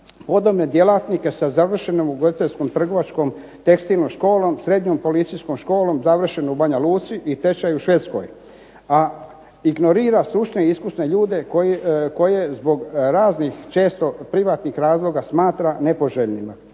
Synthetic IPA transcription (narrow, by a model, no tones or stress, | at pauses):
po̞d̪obne̞d̪je̞lat̪nike̞sazaʋr̩ʃenomuɡod̪it̪eʎʲskomt̪r̩ɡo̞ʋat͡ʃko̞m | t̪e̞kst̪ilnomʃko̞ːlo̞msɾe̞d̪ɲompo̞lit̪sijskomʃko̞ːlo̞mzaʋr̩ʃe̞noubaɲaluːt̪siʔit̪e̞t͡ʃajuʃʋe̞t̪sko̰j | a | iɡno̞ɾiːɾasɾuʃneiskusne̞ʎuːd̪e̞kojko̞je̞zbo̞ɡɾaːznixt͡ʃe̞ːst̪o̞pɾiʋat̪nixɾaːzlˠo̞ɡasmaːt̪ɾane̞po̞ʒeʎnima